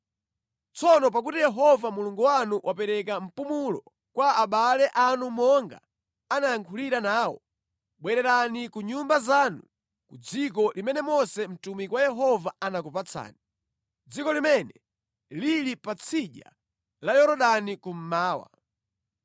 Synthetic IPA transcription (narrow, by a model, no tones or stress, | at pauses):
t͡sɔnɔp̬ak̬utijɛɦɔvamuluŋɡuwanuʔwʔapɛɾɛk̬am̩pumulɔ | kwaːɓalɛʔanumɔŋɡa̰ | anajaŋkʰuliɾanaːwɔ̰ | ɓwɛɾɛɾanikuɲumbazanu | kud͡zik̬ɔlimɛnɛmɔsɛm̩tumikwajɛɦɔvaanakupat͡sʰa̰ːni | d͡zikɔlimɛnɛ | lilipat͡sʰiʄa̰ | lajɔɾɔɗanikum̩maːwa̰